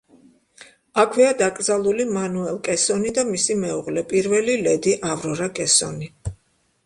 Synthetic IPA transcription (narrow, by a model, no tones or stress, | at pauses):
akʰwiad̪akʼɾd̪zalˠulimanuɛlˠkʼɛsɔnid̪amisimɛuʁlɛpʼiɾvɛlilɛd̪iʔavɾɔɾakʼɛsɔ̰ni